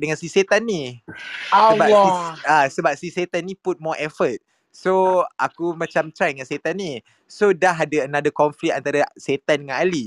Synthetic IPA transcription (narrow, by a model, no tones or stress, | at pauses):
dəŋãnsiset̪anːi | aəbaasəbap̚siset̪anːiput̪̚mɔʔɛfət̪̚ | soʔakumãt͡ʃamt̪ɾajdəŋãnset̪anːi | sodaɦadaənadəkɔɱflik̚ant̪aɾaset̪andəŋãnali